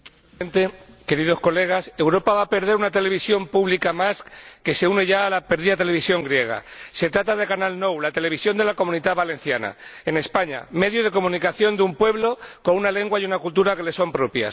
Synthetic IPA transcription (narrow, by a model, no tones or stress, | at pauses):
nt̪e̞ke̞ɾið̞o̞sko̞le̞ɣ̞ase̞wɾo̞paβape̞ɾð̞e̞ɾunat̪e̞le̞β̞isjo̞mpuβlikamaskke̞se̞une̞ʝaːlape̞ɾðiðat̪e̞le̞βisjo̞ŋɡɾje̞ɣ̞a̰se̞t̪ɾat̪að̞ekanalno̞wlat̪e̞le̞β̞isjo̞nd̪e̞lako̞mũnit̪aðβale̞n̟θjana̰ene̞spaɲa̰me̞ðjoð̞e̞ko̞mũnikaθjo̞nd̪eumpwe̞βlo̞ko̞nunale̞ŋɡwajunakult̪uɾake̞le̞so̞mpɾo̞pja̰s